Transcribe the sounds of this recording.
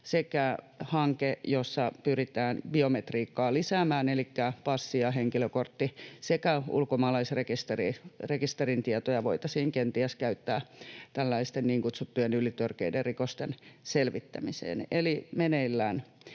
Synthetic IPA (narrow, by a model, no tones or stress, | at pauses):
sekæ | hɑŋkejosːɑpyrit̪æːnbiomet̪riːkːɑːlisæmæːnelikːæpɑsːiɑɦeŋkiløkort̪ːisekæṵlkomɑːlɑisrekist̪erirekist̪erint̪iɛt̪ojɑʋo̰it̪ɑsiːŋkent̪iæskæyt̪ːæːt̪ælːæist̪enniːŋkut̪sut̪ːujenylit̪ørkeiderrikost̪enselʋit̪ːæ̰misḛːnelimeneilːæːn